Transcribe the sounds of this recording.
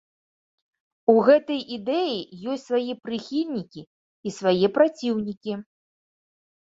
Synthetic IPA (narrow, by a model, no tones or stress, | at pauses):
uɣɛt̪ɐjʔid̪ɛjijɔsʲtʲsvajɛpɾɨxʲilʲnʲikʲiː | svajɛpɾat͡sʲiwnʲikʲi